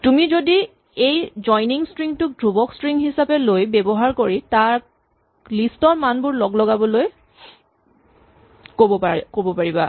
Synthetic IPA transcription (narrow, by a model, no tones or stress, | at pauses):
tumizodi | ejzɔjniŋstɹiŋtʊk̚dʱubɔkstɹiŋɦisapɛlojbɛbɔɦaɹkoɹitaɹ | listɔɹmanbʊɹlɔɡlɔɡabɔloj | kobɔakobɔpaɹiba̰